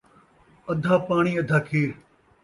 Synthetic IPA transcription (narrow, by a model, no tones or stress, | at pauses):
ɐd̪ʱaːpaːɳ̃iːɐd̪ʱaːkʰeːɾ